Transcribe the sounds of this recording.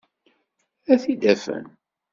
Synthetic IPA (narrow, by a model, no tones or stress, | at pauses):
æθid̪æfə̰n